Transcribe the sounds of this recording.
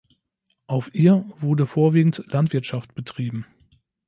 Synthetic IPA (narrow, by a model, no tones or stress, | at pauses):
ʔaʊfʔiːɐvʊɐdəfoːɐviːɡŋ̩tlantv̥ɪɐtʃaft̚b̥ətʁ̥iːbm̩